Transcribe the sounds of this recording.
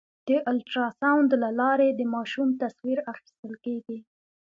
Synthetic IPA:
d̪̥əʔʊlʈɾɑsawnd̪lalɑɾed̪əmɑʃumt̪aswiɾaxi̥st̪əlkeɡi

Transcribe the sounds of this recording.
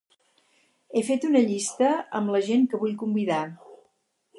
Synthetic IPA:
efet̪unəʎist̪əə̰mləʒeŋkəβuʎkumbiða

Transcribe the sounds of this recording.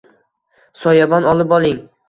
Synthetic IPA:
sɒjɒbɒnɒlˠɪpɒlˠɪŋ

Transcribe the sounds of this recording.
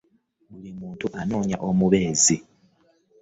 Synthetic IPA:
βulimuːntuʔano̞ːɲa̰ʔomuβe̞ːzi

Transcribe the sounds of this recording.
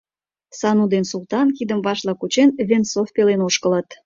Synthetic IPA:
sɑnud̪ensulˠt̪ɑnkid̪əmbɑʃlɑkut͡ɕenvensofpelenoʃkələt̪

